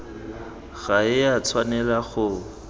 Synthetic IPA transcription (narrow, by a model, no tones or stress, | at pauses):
ɣ̥aɪjat͡sʰwanɛlaχʊ